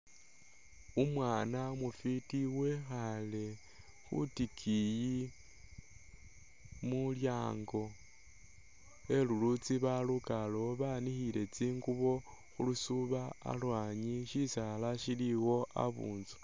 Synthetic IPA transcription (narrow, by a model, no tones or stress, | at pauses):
umwaːnamufitiwe̞xale̞ | xṵtikʰiji | muljaːŋɡo̞ | e̞lulut͡siβalukaloβanixile̞t͡siːŋɡuβo̞ | xulusuβaa̰lwaɲiʃisalaʃiliwo̞a̰βṵːnzu̥